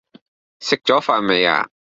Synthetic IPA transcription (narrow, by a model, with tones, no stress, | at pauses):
sɪk̚t͡ʃɔ˦fa˨mɛ˨ja̰˨